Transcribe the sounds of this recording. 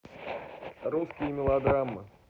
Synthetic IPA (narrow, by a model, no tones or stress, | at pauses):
ruskʲɪjəmʲɪlˠɐd̪ɾamːɨ